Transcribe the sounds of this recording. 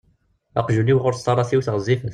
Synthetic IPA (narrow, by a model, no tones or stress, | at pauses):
ɑ̰qʒuniwʁʊɾt̪ːˤɑrˤɑθiwθʁzˤːifəθ